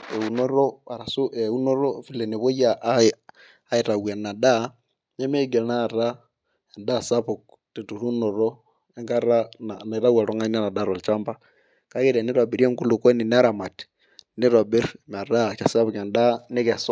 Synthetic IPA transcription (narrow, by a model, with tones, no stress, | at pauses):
e˨u˨no˦ɾo˦a˨ɾa˨su˦ɛ˨u˦no˦ɾo˦fi˦lɛ˨ne˨βo˦ja˨˦ | i˨ɾa˨we˨na˨da˦ | nɛ˦mɛ˦ɡɛ˨na˦˨ɾa˦ | a˨nda˦sa˦βu˨k̚ | ti˨tu˨ɾu˦nɔ˨ɾo˦ | ɛ˦ŋɡa˦ɾa˦nana˨ɾa˦wa˨ɾo˦ŋa˦n˦a˦na˨da˦˨ɾo˨lt͡ʃa˦mba˦ | ka˦ke˦ɾe˨ni˦ɾwa˨bi˨ɾi˦e˦ŋɡu˦lu˨kɔ˦ni˨n˦a˦ɾa˨ma˨ti̥ | ni˦ɾa˨bi˦rm˨a˨ɾa˦t͡ʃa˨sa˦βu˨ka˨nda˦ne˦kɛ˨sɔ˦